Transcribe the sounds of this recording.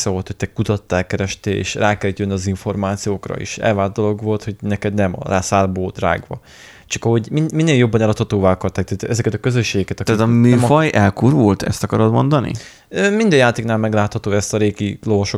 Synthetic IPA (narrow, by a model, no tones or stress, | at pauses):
sɛvo̞lt̪ho̞c̚t̪ɛkut̪ɒt̪ːaɛlkɛɾɛʃt̪eːḛːʃraːkɛlt̪jønːiɒziɱfo̞rmaːt̪sijoːkrɒ̰ḭːʃɛ̰lvaːd̪̚d̪o̞lo̞ɡʋo̞lt̪ho̞ɟnɛkɛd̪nɛmɒ̰laːsaːlboːld̪ra̰ːɡʋɒ̰ | t͡ʃɒkɒɦo̞ɟmimineːljo̞bːɒnɛlɒt̪hɒt̪oːvaːɒkɒrt̪aːk̚t̪aːt̪ɛzɛkɛt̪ɒkøzøʃːeːɡɛkɛt̪ɒt̪at̪ɒmyːmfɒjɛlkurvolt̪ʰɛ̰st̪ɒkɒɾod̪mo̞nd̪ɒnḭ | øːmind̪ɛjaːt̪eːknaːlmɛɡlaːt̪hɒt̪oːɛst̪ɒɾeːɡilo̞voʃo